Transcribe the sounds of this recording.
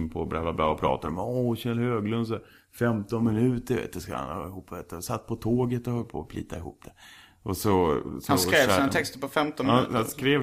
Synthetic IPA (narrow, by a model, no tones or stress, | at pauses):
npʰɔbɾɛvlabɾɑ̰ːɔpʰɾɑ̰ːt̪ad̪ɔmoɕɛlhøːɡlɵns̬ɛ | fɛmt̪ɔnmɪnʉ̟ːt̪əɾvḛːt̪ːəska̰a̰nɑ̰ɪhuːpːeːt̪ːsat̪̚ːpʰɔt̪ʰoːɡət̪ɔhœlpʰo̰ːpʰlḭːt̪aɪhṵːp̚d̪̥ɛ | ʔɔsɔshanɔseːvsiːnat̪ɛkst̪əɾpɔfɛmt̪ɔnhanhanskɾeː